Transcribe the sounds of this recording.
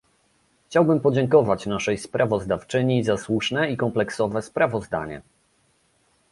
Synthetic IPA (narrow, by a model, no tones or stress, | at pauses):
xt͡ɕawbɘmpɔd͡ʑɛŋkɔvat͡ɕnaʂɛjspɾavɔzd̪aft͡ʂɘɲizaswuʂnɛikɔmplɛksɔvɛspɾavɔzd̪a̰ɲɛ̰